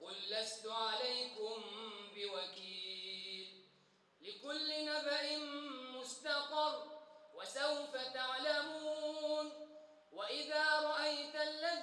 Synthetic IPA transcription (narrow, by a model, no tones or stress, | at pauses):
qʊlːast̪ʊʕalajkʊmbɪwakiːlː | ɪkʊlːɪnabaʕɪnmʊst̪ɑqɑrˤwasawfat̪aʕlamuːn | waʔɪðaːɾˤɑʔajt̪alːa